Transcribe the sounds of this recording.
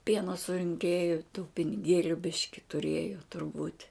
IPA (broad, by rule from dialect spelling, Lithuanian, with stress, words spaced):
ˈpʲiɛnoː sʊrʲɪŋʲˈkʲeːjʊ tuː pʲɪnʲɪˈɡʲeːlʲʊ ˈbʲɪʃʲkʲɪ tʊˈrʲeːjoː tʊrˈbuːtʲ